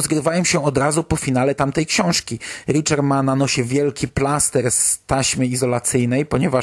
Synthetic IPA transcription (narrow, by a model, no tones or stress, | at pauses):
zɡɾɘvajɛmɕɛɔd̪ɾazupɔfʲinalɛt̪amt̪ɛjkɕɔ̃w̃ʂkʲiɾʲit͡ʂɛɾmananɔɕɛvʲjɛlkʲiplast̪ɛɾst̪aɕmɘizɔlat̪sɘjnɛjpɔɲɛva